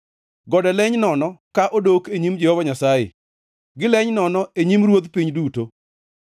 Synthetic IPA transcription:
ɡɔdɛlɛɲnɔnɔkaʔodokeɲimd͡ʒɛhɔvaɲasajḛ | ɡɪlɛɲnɔnɔeɲimɾwot̪piɲduto

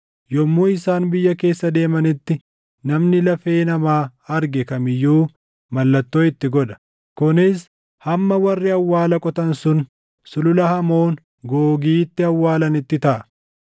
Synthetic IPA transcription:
jɔmːuːɪsaːnbɪjːɐke̞ːsːɐd̪e̞ːmɐnɪt̪ːɪ | nɐmnɪlɐfe̞ːnɐmaːɐɾɡɛkɐmɪjːuː | mɐlːɐt̪ːoːɪt̪ːɪɡɔd̪ɐ̥ | kʊnɪs | hɐmːɐwɐrːɪɐwːaːlɐkʼɔt̪ɐnsʊn | sʊlʊlɐhɐmo̞ːn | ɡoːɡiːt̪ːɪɐwːaːlɐnɪt̪ːɪt̪ɐʔɐ

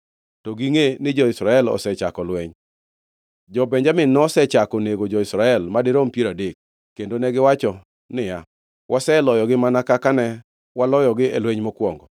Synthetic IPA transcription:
tɔɡiŋenɪd͡ʒɔɪsɾaɛlɔ̰sɛt͡ʃakɔlweɲ | d͡ʒɔbɛɲd͡ʒamɪnɔsɛt͡ʃakɔneɡod͡ʒɔɪsɾaɛlmadɪɾompieɾadekː | endonɛɡɪwat͡ʃɔ | nɪja | wʔasɛlɔjɔɡɪmanakakanɛ | walɔjɔɡɪelweɲmokwɔŋɡɔ

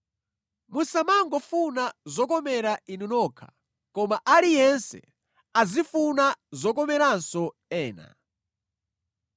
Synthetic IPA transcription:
musamaŋɡɔfunazɔkɔmɛɾainunɔkʰḁ | kɔmaʔalijɛnsɛ̰ | azifunazɔkɔmɛɾansɔ | ɛːna̰

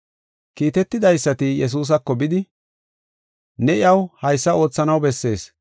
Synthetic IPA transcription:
kiːt̪ɛt̪ːɪd̪ɐjsːɐt̪ɪjɛs̬uːs̬ɐkːɔbɪd̪ɪ | nɛɪɐwhɐjsːɐo̞ːt͡sːɐnɐwbɛsːe̞̰ːs

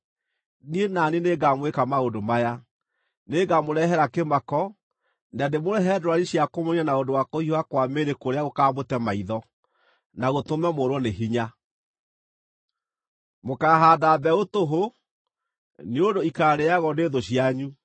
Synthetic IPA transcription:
nienaneneɡamwekamaondomaja | neɡamoɾɛɦɛɾakemakɔ | nademoɾɛɦɛdɾwaɾiɕjakomoɲanaondowakohiwakwameɾekoɾeaɣokaːmotɛmaiðɔ | naɣotomɛmoɾwɔneɦiɲa | mokaːɦaːdaːbɛotoɦo | neodoikaɾeaɣɔneːðoɕiaɲu

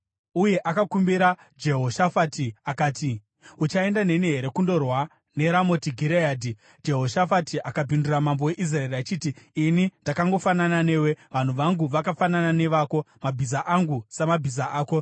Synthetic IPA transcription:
uje̞ʔakakumbiɾa | d͡ʒeɦo̞ʃafatiakaːti | ut͡ʃae̞ndane̞niɦeɾe̞kundo̞rwa | ne̞ɾamo̞tiɡʱiɾejaːdi | d͡ʒe̞ɦo̞ʃafatiʔakabʱinduramambo̞we̞ʔis̬raeriat͡ʃiːtiːnindakaŋɡo̞fananane̞ːwe̞ʋan̤uʋaŋɡuʋakafananane̞ʋaːko̞mabʱizaʔaŋɡusemabʱizaaːko̞

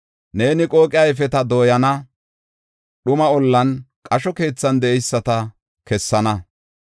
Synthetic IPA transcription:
ne̞ːnɪkʼo̞ːkʼɪjɐjfɛt̪ɐd̪o̞ːjɐnɐ | ɗʊmɐɔlːɐnkʼɐʃɔke̞ːt͡sːɐnd̪ɛʔɛjsːɐt̪ɐ | kɛsːɐnɐ

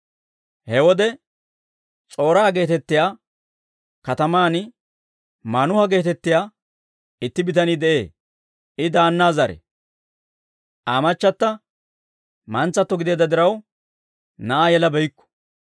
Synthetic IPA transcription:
hɛwɔd̪ɛ | t͡sʼo̞ːɾaːɡe̞ːt̪ɛt̪ːɪjaː | kɐt̪ɐmaːn | maːnʊhɐɡe̞ːt̪ɛt̪ːɪjaː | ɪt̪ːɪbɪt̪ɐnɪd̪ɛʔe̞ː | ʔɪd̪aːnːaːzɐɾɛ̰ | ʔaːmɐt͡ʃːɐt̪ːɐ | mɐnt͡sːɐt̪ːɔɡɪd̪eːd̪ːɐd̪ɪɾɐw | nɐʔaːjɛlɐbɛjkːɔ̥

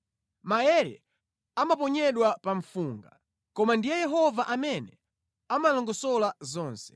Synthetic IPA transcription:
majɛɾɛ̰ | amapɔɲɛɗwapaɱfuːŋɡa | kɔmandijɛjɛɦɔvaʔamɛnɛ | amalɔŋɡɔsɔlazɔːnsɛ̥

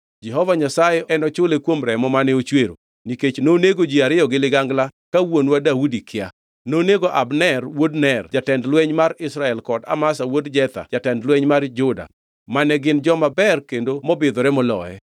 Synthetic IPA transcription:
d͡ʒɛɦɔvaɲasajɛɛnɔt͡ʃʊlekwomɾɛmɔmanɛot͡ʃweɾo̰ | niket͡ʃnoːneɡod͡ʒiaɾɪjɔɡɪlɪɡaŋɡlakawonwadaudikɪa | noneɡoʔa̰bnɛrwodnɛrd͡ʒatɛndlwɛɲmaɾɪsɾaɛlkɔda̰masawodd͡ʒɛt̪a̰d͡ʒatɛndlwɛɲmard͡ʒʊda̰ | manɛɡɪnd͡ʒɔmabɛrkendomɔbɪd̪ɔɾɛmɔlɔ̰ɛ̰

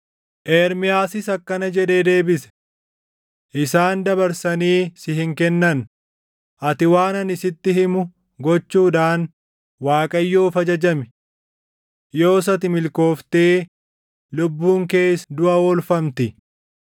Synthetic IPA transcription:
ʔeːɾmɪjaːsɪsɐkːɐnɐd͡ʒɛᶑ̪e̞ːd̪e̞ːbɪsɛ̥ | ʔɪsaːnd̪ɐbɐɾsɐniːsɪhɪŋkɛnːɐn | ʔɐt̪ɪwaːnɐnɪsɪt̪ːɪɦɪmʊ | ɡɔt͡ʃːuːᶑaːn | waːkʼɐjːoːfɐd͡ʒɐd͡ʒɐmɪ̥ | jo̞ːs̬ɐt̪ɪmɪlko̞ːft̪eː | lʊbːuːŋke̞ːsd̪ʊʔɐwɔlfɐmt̪ɪ

